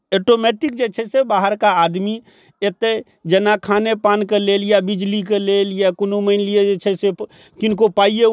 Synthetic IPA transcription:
eʈomeʈɪk̚d͡ʒet͡ʃʰesebaːɦəɾkaaːd̪mi | et̪e | d͡ʒənakʰaːnepaːnkeleːljabɪd͡ʒlik̬eleljakʊnuməɪnlied͡ʒet͡ʃʰese | kɪnkopaːije

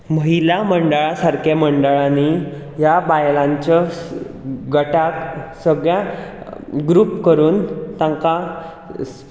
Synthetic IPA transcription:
məɦilaməɳɖəɭasaɾkʰeməɳɖəɭani | jabajlãɲt͡ɕa | ɡəʈaksəɡɭjã | ɡɾuːpkəɾuːnt̪ãŋka

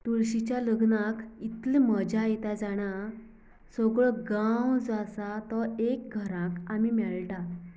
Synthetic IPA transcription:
t̪uɭɕit͡ɕjaləɡnakit̪lməd͡ʑajt̪ad͡zaɽ̃a | sɔɡɭɔɡawd͡zasat̪ɔek̚ɡʱəɾãkamimɛɭʈa

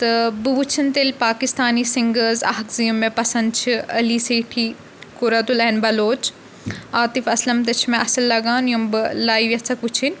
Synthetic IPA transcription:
t̪ɐbɨʋut͡ʃʰint̪elʲpaːkist̪aːniːsɪ̃ŋɡəzɐ̰ɦɐkzijumːẽpɐsɐ̃nd̪t͡ʃʰiɐliːseːʈʰiː | kʊɾɐt̪ulɛnbɐloːt͡ʃ | aːt̪ifɐslɐmt̪̬ɐt͡ʃʰmẽʔɐsɐlːɐɡaːnjumbɨlaːiʋjɐt͡sʰɐkʋut͡ʃʰinʲ

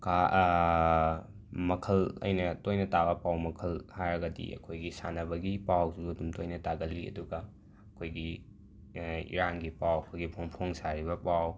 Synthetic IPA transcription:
ka | mɐkʰɐlɐ̰jnɐtojnɐtabɐpawmɐkʰɐlhajɾɐɡɐdḭʔɐ̰kʰojɡisanɐbɐɡipawsuɐdumtojnɐtaɡɐlːiɐ̰duɡɐ | ɐkʰojɡi | ḭɾanɡipawɐkʰojɡipʰoŋpʰoŋsaɾibɐpaw

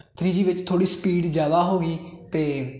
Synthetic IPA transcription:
t̪ʰɾiːd͡ʒiːʋɪt͡ʃt̪ʰoːɽiːspiːɖzjaːd̪aːɦoːɡiːt̪eː

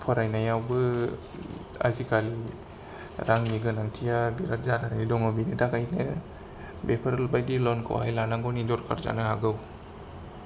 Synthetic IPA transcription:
pʰɔɾajnajawbɯ | a̰zikʰali | ɾaŋniɡɯnaŋtʰijabiɾat̚zadanaidɔŋabinitakajnɯ | bepʰaɾlbajdilɔnkʰa̰whajlanaŋɡɔnind͡ʒɔɾkʰa̰ɾza̰nɯɦaɡɯw

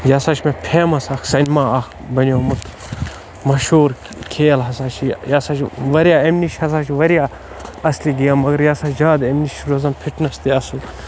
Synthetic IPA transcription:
jaːsaːt͡ʃʰmepʰeːmɐsaːkʰsɐnʲmaːɐkʰ | bɐnjoːmut̪ʰ | mɐʃuːɾ | kʰeːlɦɐsaːt͡ʃʰijaːsaːt͡ʃʰʋɐɾjaːemniʃhɐsaːt͡ʃʰiʋɐɾjaː | ɐsliɡijaːmːɐɡɐɾjaːsaːt͡ʃd͡ʒaːd̪emniʃɾozɐmpʰiʈʰnɐst̪eɐsl

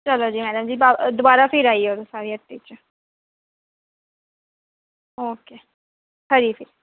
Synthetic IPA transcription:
t͡ʃəloːd͡ʒiːmɛːɖəmd͡ʒiːbad̪ʊbaːɾaːpʰɪɾaːiɛoɾsaːɾiːəʈːiːt͡ʃ | oːkeː | həɾipʰɪɾ

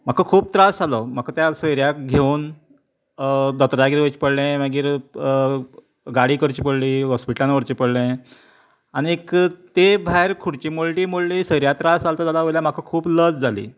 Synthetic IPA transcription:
m̤akʰəkʰuːp̚t̪ɾasalɔm̤akʰat̪jasəjɾjakɡʱeun | d̪ɔt̪ɾaɡiɾʋət͡ɕi̥pəɽlẽʋəɡiːɾ | ɡaɽiːkəɾt͡ɕiːpəɽliːɦɔspiʈəlãnʋəɾt͡ɕipəɽlẽ | aɽ̃iekt̪ebʱaɦeɾkʰuɽt͡ɕimulʈiːmuɭliːsəjɾjat̪ɾasd͡zalt̪əd͡zalaʋojljam̤akʰəkʰuːbləd͡zd͡zʱalḭː

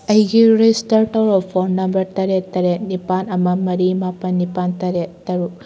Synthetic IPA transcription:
ɐjɡiɾestɐɾʈɔwɾɔpʰɔnnːɐmbɐɾtɐɾet̪ɐɾɛnipanɐmɐmɐɾimapɐnːipant̪ɐɾet̪ɐɾu

